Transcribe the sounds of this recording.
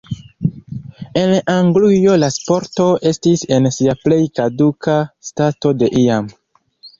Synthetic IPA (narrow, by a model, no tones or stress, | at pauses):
e̞naŋɡlijo̞laspo̞ɾto̞e̞stise̞nsiaple̞jkadukastato̞de̞ʔiam